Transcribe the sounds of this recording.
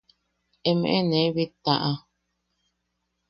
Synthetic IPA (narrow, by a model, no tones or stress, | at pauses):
emḛ̃ʔenẽβit̪aʔa